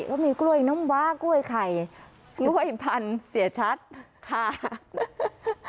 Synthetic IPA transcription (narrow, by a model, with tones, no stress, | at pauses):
kɔː˥˩miː˧klu˥˩əjnɔ˦˥mwaː˦˥klu˥˩əjkʰa˨˩j | klu˥˩əjpʰa˧nsi˩˦ət͡ɕʰa˦˥t̪̚kʰa˧˥˩